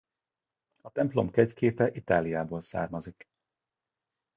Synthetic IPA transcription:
ɒt̪ɛmplo̞̰mkɛɟkʰeːpɛʔit̪aːlijaːboːlsa̰ːrmɒzik

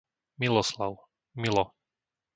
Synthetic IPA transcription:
milɔslaʊ | milɔ

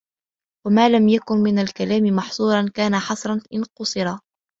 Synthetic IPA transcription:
wamaːlamjakʊnmɪnalkalaːmɪmɑħsˤuːɾˤɑnkaːnaħɑsˤɾˤɑnʔɪnqʊsˤɨɾɑ

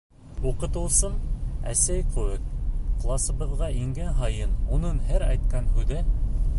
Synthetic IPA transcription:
uqɤ̆t̪ɤ̆w̪ˠsɤmæ̰sæjquɘk̚qlˠɑsɤ̆βɤ̆ðʁɑʔiŋɡænɦɑjɤnunɤnhæɾæjt̪̚kɑnhʉðɘ

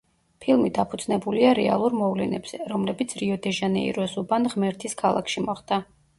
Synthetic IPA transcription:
pʰilˠmid̪apʰud̪z̥nɛbuliaɾɛa̰lˠuɾmɔvlɛnɛbz̥ɛɾɔmlɛbit̪sʰɾiɔd̪ɛʒanɛ̰ḭɾɔsubanʁmɛɾt̪ʰiskʰalˠa̰kʰʃimɔχd̪a

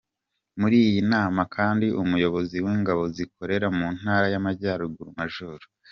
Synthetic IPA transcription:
muɾiːjinaːmakʰaːndiʔumujo̞βo̞ziwiːŋɡaβo̞zik̚o̞ɾe̞ɾamuːn̥aːɾajamaɟaːɾuɡuɾumaʒuɾu

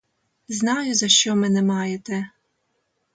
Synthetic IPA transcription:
znɑjʊzɐʃt͡ʃɔmɪnɛmɑjet̪ɛ

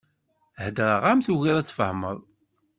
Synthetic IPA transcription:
həd̪ɾˤəʁamθuɣiɾˤæt͡sːfəhmə̰ðˤ

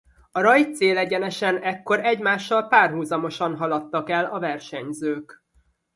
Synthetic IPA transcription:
ɒɾɒjt̪seːlɛɟɛnɛʃɛnɛkːo̞ɾɛɟmaːʃːɒlpaːrɦuːzɒmo̞ʃɒnɦɒlɒt̪ːɒkɛlɒvɛrʃɛɲzøːk

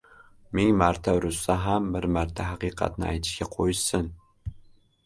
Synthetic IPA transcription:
meŋmaɾt̪ʰaɾʊsːaɦambɪɾmaɾt̪ʰaɦɑqɨːqʰɑ̰t̪nɪa̰jt̪ʰɪ̥ʃkʲaqʰojɪʃsɪn

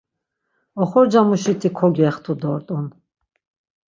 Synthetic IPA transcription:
ɔχɔɾd͡ʒamuʃit̪ʰikʰɔɡɛχt̪ʰud̪ɔɾt̪ʼɔn

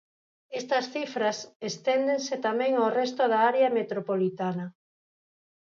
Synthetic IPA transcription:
est̪ɐsθifɾɐsest̪end̪eŋset̪amɛ̃ŋawrest̪oðaaɾeɐmet̪ɾopolit̪anɐ

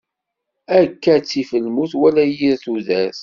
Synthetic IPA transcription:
ækːæt͡sːifəlmuθwælæjiɾθuðæs

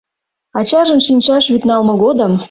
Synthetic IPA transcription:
ɑt͡ɕɑʒə̆nʃinʲt͡ɕɑʃβyt̪nɑlmɤ̆ɣod̪əm

